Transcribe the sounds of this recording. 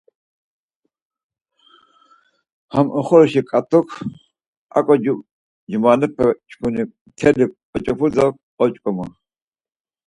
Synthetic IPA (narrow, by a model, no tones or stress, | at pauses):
hamɔχɔɾɔʃikʼat̪ʼɔkʰ | a̰kʼɔ | d͡ʒmaːnɨpʰat͡ʃʰkʰuni | t̪ʰɛdiqʼɔt͡ʃʼɔpʰud͡zalkqʼɔt͡ʃʼkʼɔma